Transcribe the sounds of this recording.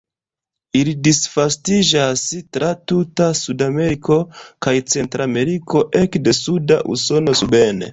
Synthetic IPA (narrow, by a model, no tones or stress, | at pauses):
ilidisfastid͡ʒastɾʔatutasudame̞ɾiko̞kajt͡se̞ntɾame̞ɾiko̞ʔe̞kde̞sudaʔṵso̞no̞sube̞nḛ